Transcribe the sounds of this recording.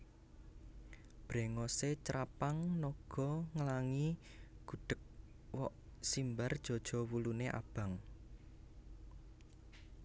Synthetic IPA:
b̥ɾɛ̤ŋɔset͡ʃɾapaŋnɔɡ̥ɔŋlaŋiɡ̥ṳɖ̥ə̤k̚ | wɔʔsimbard̥ʒ̥ɔ̤d̥ʒ̥ɔ̤wuluneʔa̰b̥a̤ŋ

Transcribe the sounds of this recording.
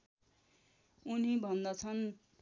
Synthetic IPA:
unibʱʌnd̪ʌt͡sʰʌn

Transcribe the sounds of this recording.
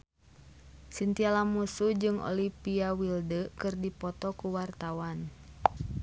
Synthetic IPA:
sint̪ialamusud͡ʒɨŋɔ̰lipiawildəkɨrdipɔt̪ɔkuwart̪awan

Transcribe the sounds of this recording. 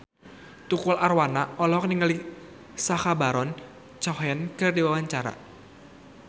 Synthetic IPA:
t̪ukulʔarwanaɔlɔɦɔk̚niŋəli | saxabaɾɔn | t͡ʃɔɦɛnkɨrdiwawaɲt͡ʃaɾa̰

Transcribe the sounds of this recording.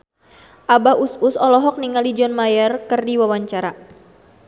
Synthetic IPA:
ʔabaʔususɔlɔɦɔk̚niŋalid͡ʒɔnmajɛrkɨrdiwawaɲt͡ʃaɾa

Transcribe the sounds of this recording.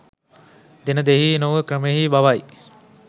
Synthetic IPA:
d̪enəd̪eɦiːnoʋəkɾəmeɦiːbaʋaj

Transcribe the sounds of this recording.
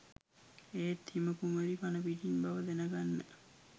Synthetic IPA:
eːt̪ːiməkuməɾipanəʋiʈinbaʋəd̪enəɡanːə

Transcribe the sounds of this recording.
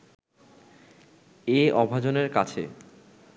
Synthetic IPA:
eɔbʱad͡ʑoneɾkat͡ɕʰḛ

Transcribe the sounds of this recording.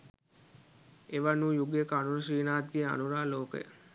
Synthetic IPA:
eʋanujuɡjekəanuɾəʃiːnaːt̪ʋia̰nuɾaːloːkə̰

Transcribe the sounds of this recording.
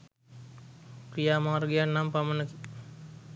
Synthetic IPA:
kɾijaːmaːɾɡijanːampamənəki

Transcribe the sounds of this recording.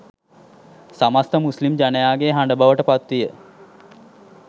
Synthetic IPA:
samast̪əmuslimd͡ʒanəjaːɡeɦaɳɖəbaʋəʈəpat̪ʋijə

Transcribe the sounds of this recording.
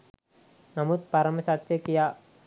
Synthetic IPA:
nɐmut̪̚pɐɾɐmɐsat̪ːekija

